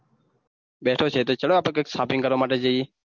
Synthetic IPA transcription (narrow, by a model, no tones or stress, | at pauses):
ɓeːʈʰoːt͡ʃʰeːt̪oːt͡ʃəɽoːaːpeːkeːksaːpʰɪ̃ŋkəɾʋoːmaːʈeːd͡ʒəieː